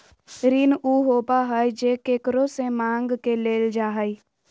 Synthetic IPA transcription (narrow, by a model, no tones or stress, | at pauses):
ɾinuɦoːbaɦəjd͡ʒeːkekɾosemãːŋɡkeleːld͡ʒaːɦəi